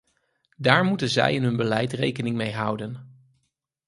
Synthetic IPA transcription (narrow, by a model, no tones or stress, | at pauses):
daːɹmutənzɛ̰jɪnɦɵnbəlɛjtrḛjkənɪŋmejɦʌwdən